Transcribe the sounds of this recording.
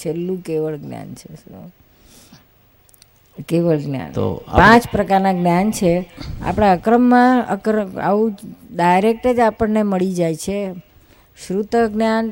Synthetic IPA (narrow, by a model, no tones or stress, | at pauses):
t͡ʃʰelːũkeʋəɭɡnja̰nt͡ʃʰe | keʋəɭɡnja̰nt̪o̰pãt͡ʃpɾəkaɾnaɡnjant͡ʃʰea̰pɽ̃aəkɾəmːãə̰kɾəa̰ʋũɖajɾek̚ʈəd͡ʒapəɳneməɭid͡ʒajt͡ʃʰe | ʃɾut̪əɡnjan